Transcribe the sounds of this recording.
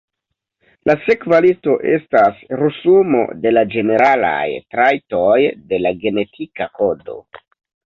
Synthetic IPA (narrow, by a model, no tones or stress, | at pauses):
lase̞kvalito̞ʔe̞stasɾusumo̞̰de̞lad͡ʒe̞ne̞ɾala̰jtɾajto̞jde̞laɡe̞ne̞tʰikako̞do̞̰